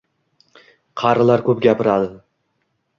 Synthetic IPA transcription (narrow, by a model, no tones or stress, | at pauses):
qʰɑɾɨlaɾkʰɵpɡʲapɪɾad̪ɪ